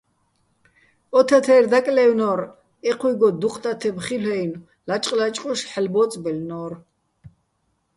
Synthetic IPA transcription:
ɔt̪ʰat̪ʰɛːrd̪akʼlɛwnɔːɾ | ɛqʰwiɡɔd̪uqʼt̪ʼat̪ʰɛbχilɛjn | lat͡ʃʼqʼlat͡ʃʼqʼɔʃħɛlbɔːt͡sʼbɛlnɔːr

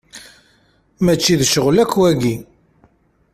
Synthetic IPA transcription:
mæt͡ʃːiðʃəʁlækwæɡi

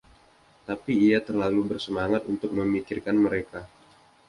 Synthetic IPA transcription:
t̪apiːat̪ərlalubərsəmaŋat̪unt̪ʊk̚məmikɪrkanməɾeka

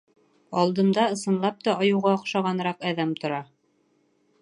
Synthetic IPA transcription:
ɑlˠd̪ɤ̆md̪ɑɤ̆sɤ̆nlˠɑp̚t̪ɑɑjɤ̆wʁɑːqʃɑʁɑnɾɑqæðæmt̪ŏɾɑ

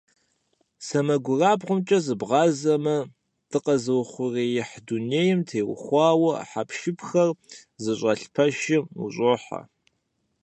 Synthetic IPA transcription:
sɐmɐɡʷʊraːbʁʷʊmt͡ʃʼɐzɨbʁɑːzɐmɐ | d̥ʰɨqɐzɨwχʷʊreːjɪħduneːjɪmtʰeːwχʷɑːwɐħapʰʃɪpʰxɐrzɨɕʼɐɬpʰɐʃɪmṵɕʼɨħɐ̰

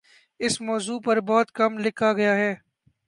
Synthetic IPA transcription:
ɪsmɔːzuːpɐɾbɔːt̪kɐmlɪkʰaɡɐjaɦɛː

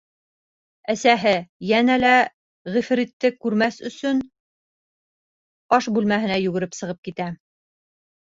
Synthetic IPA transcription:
æsæɦɘjænælæ | ʁifɾit̪ːɘkʉɾmæsɵ̆sɵn | pɑʃbʉlmæɦɘ̆næjʉɡɘ̆ɾɘpsɤ̆ʁɤp̚kit̪æ

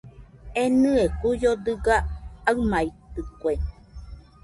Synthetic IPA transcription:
enɨekujod̪ɯɡaaɨmait̪ɨkʷe

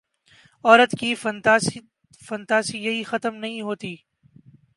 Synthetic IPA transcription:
ɔːɾət̪kif | fɐ̃nt̪aːsijɐɦixɐt̪əmnɐɦĩɦoːt̪iː

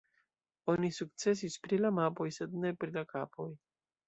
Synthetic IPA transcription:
o̞nisuk̚t͡se̞s̬ispɾilamapo̞jse̞dne̞pɾilakapʰo̞j

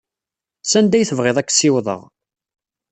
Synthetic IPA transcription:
sænd̪æjθəvʁeðˤækːsɪwðˤə̰ʁ

